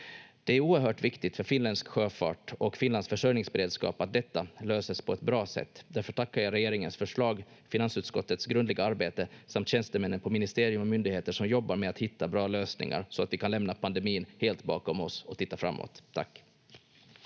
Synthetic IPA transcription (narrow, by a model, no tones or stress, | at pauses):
d̪̥ɛæɾuːəɾɦœːʈvɪkt̪ɪɡt̪fœɾfɪnlɛnd̪skɧøːfɑ̰ːʈɔkfɪnlansfœʂœjnɪŋsbɛɾeːd̪skɑ̰ːpat̪̚d̪ɛt̪ːaløːsəspʰɔɛt̪bɾɑːsɛ̰t̪ːd̪æɾfœʈʰakːajaɾɛjeːɾɪŋənsfœʂɭɑːɡ | fɪnansʉːt̪skɔt̪ːət̪sɡɾɵnd̪lɪɡaaɾbeːt̪əsamt̪ɕɛnst̪əmɛnːənpʰɔmɪnɪst̪eːɾɪɵmɔmʏnd̪ɪɡheːt̪əʂɔmjɔbːaɾmɛat̪hɪt̪ːabɾɑːløːsnɪ̰ŋa̰ɾsɔat̪vɪkʰanlɛmnapʰand̪ɛmiːnheːlt̪bɑ̰ːkɔmɔsɔt̪ʰɪt̪ːafɾa̰mːo̰ːt̪ʰːa̰kː